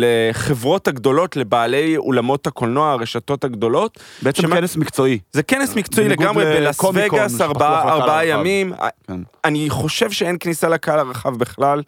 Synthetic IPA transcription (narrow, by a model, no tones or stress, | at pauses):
leχevʁo̞thaɡdo̞lo̞tle̞baːlejo̰lamo̞thako̞lnoaʁeʃato̞thaɡdo̞lo̞t | beʃemenesmikt͡soizekenesmikt͡soileɡamʁebenasveɡaabaʁbaajamima̰aniχo̞ʃe̞vʃeenknisalakalaʁaχavbeχlal